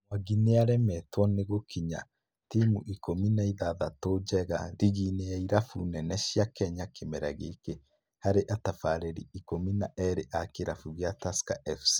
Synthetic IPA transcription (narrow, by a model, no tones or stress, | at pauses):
mwaɡineaɾɛmɛtwɔneɣokiɲa̰ | timuʔikominaiðaðatod͡ʒɛɣa̰ðiɣinejaiɾafunɛnɛʃjakɛɲakʰemɛɾaɣeke | haɾeʔatafaɾɛɾḭikominaʔɛɾeʔakeɾafuɣjataska̰ʔɛfsi̥